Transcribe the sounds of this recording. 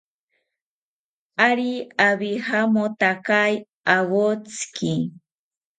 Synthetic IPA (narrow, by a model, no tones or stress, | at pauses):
aɾiaβihamot̪akaj | awot͡ski